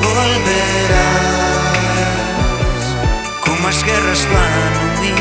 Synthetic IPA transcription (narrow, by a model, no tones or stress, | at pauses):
oalβeɾa | komazɣerasananuðin